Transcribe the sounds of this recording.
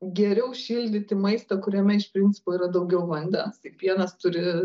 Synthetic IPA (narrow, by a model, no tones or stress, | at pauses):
ɡʲɛɾʲɛʊʃʲiːlʲd̪ʲɪt̪ʲɪmɐɪst̪ɐkʊɾʲɛmʲɛɪʃpʲɾʲɪnʲtt͡sʲɪ̥poːiːɾɐd̪ɐʊɡʲɛʊʋɐnʲd̪ʲɛtɐɪpʋʲiɛnɐst̪ʊɾʲɪ